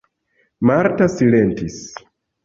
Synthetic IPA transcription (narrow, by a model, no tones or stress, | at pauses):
maɾtasilentis